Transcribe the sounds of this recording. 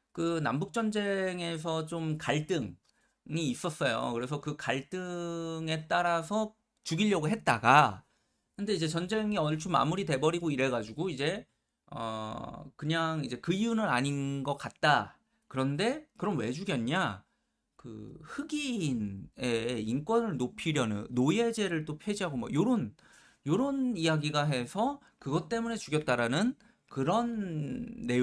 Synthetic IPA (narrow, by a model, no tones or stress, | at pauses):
kɯnambuk̚t͡ɕ͈ʌnd͡ʑe̞ŋe̞s̬ʰʌt͡ɕomkaɭt͈ɯŋ | iːs͈ʌs͈ʌjo̰kɯɾe̞s̬ʰʌkɯkaɭt͈ɯŋe̞t͈aɾasʰʌ | t͡ɕuɡiʎːʌɡɯɭɦe̞t̚t͈aɡa | kɯnde̞id͡ʑe̞t͡ɕʌnd͡ʑe̞ŋiʌɭt͡ɕʰuma̰muɾite̞bʌɾiɡoiɾe̞ɡad͡ʑuɡoid͡ʑe̞ | ʌ̰kɯɲaŋid͡ʑe̞kɯijunɯnaɲinɡʌk͈at̚t͈a | kɯɾʌnde̞kɯɾʌnwe̞d͡ʑuɡjʌnɲa | kɯ̰hɯɡine̞ink͈wʌnɯɭnopʰiɾjʌnɯ̰nːojed͡ʑe̞ɾɯɭt͈opʰjed͡ʑiɦaɡomwa̰joɾon | joɾʌnijaɡiɡaɦe̞sʰʌ | kɯɡʌt͈̚e̞mune̞t͡ɕuɡjʌt̚t͈aɾanɯn | kɯɾʌnː | e̞